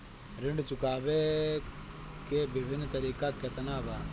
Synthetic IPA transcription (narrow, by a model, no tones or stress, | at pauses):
ɾɪɳɖt͡ʃʊkaːʋe | kebɪbʱɪnːt̪ɐɾiːkaket̪ɐnaːbaː